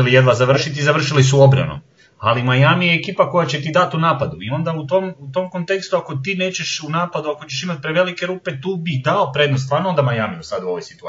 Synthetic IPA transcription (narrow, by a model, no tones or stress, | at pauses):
lijed̪ʋazaʋr̩ʃit̪izaʋr̩ʃilisuo̞bɾa̰no̰m | alimajamijeːkiːpako̞jat͡ɕe̞t̪id̪at̪unaːpad̪uio̞nd̪aut̪omut̪o̞mko̞nt̪e̞kst̪uako̞t̪iːne̞ːt͡ɕe̞ʃunaːpad̪uako̞t͡ɕeʃimat̪̚pɾeʋe̞like̞ɾuːpe̞t̪uːbid̪aopɾe̞d̪nost̪ʋaːɾnoond̪amajamijusad̪uo̞ʋojsi̥t̪u